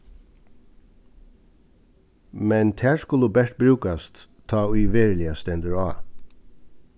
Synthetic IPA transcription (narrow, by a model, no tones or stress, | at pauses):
mɛnt̪ʰæːɹskʊlubɛʂt̪̚bɾʉːkast̪ʰːɑːʏːʋeːɹlɪast̪ɛnd̪əɹɑː